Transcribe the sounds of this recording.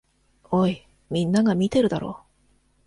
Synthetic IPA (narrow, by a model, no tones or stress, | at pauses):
oːi | mʲĩnːaɡamʲit̪e̞ɾɯ̟d̪aɾo̞̰ː